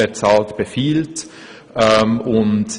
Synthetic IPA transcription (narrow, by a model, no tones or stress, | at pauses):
ɛt͡sɑːltb̥əfiːlt | ʔɛmʊnt